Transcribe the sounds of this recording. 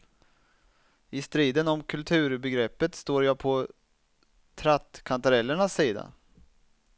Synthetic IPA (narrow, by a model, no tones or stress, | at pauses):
ɪst̪ɾiːd̪ənɔmkʰɵlt̪ʰʉ̟ːɾbɛɡɾɛpːət̪st̪oːɾjaːpʰɔ | t̪ʰɾat̪kʰant̪aɾɛlːəɳasːiːd̪a̰